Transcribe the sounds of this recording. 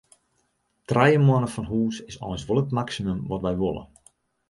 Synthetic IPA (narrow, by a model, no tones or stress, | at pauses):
trɛjəmwɔnəfɔnɦuːsɪsɔ̰jnsʋolˠətmaksimømʋɔtʋɛjʋolˠə̰